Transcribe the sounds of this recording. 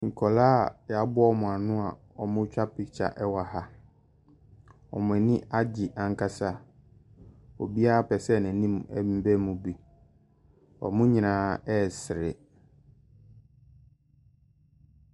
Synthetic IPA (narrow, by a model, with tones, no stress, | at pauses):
ŋ̩˨kʰɔ˨laː˦˨ja˦bʊ˦ɔ˦mʊ̃˨a˨nʊ̃˦a˨ | ɔ˨mʊ̃˦t͡ɕᶣa˦pi˨t͡ɕʰa̰˨ʔɛ˦wa˨ha˦ | ɔ̰˨mʊ̃˨ɛ˨nĩ˦ʔa˦d͡ʑɪ˨ʔã˨ŋ˦kʰa˦sa˦˨ | ɔ˨bi˦a˦a˦pɛ˨sɛ˦˨nɛ̃˨˦nĩ˦m˨ɛ̰˦ĩ˦bɛ˦mũ˨bi˨ | ɔ̰˨mʊ̃˦ɲĩ˨nãː˨˦ɛ˦˨sɪ˨ɾɪ˨